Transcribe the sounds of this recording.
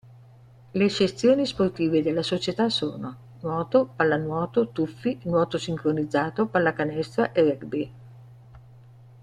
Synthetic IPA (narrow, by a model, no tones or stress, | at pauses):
let͡ʃest̪ːjoːnisport̪iːved̪elːasot͡ʃet̪asoːno | nwɔːt̪opalːanwɔːt̪ot̪ufːinwɔːt̪osiŋkɾonid̪zːaːt̪opalːakanɛst̪ɾaʔerɛɡbi